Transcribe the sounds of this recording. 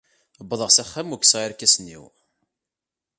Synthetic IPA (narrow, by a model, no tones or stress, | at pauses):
bːðˤəʁsæχːæmuksʁiɾkːæsnːḭw